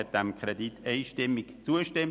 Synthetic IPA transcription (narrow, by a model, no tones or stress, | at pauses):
ɛt̚d̥ɛmkʰʁɛditʰeɪʃtɪmɪkt͡suːəʃtɛm